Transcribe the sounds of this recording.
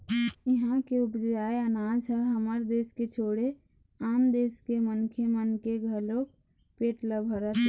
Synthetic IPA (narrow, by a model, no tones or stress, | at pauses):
iɦãkeupd͡ʒaeənad͡ʒəɦəməɾd̪esket͡ʃʰoɽe | and̪eskemənkʰemənkeɡʱəlok | peʈləbʱəɾət̪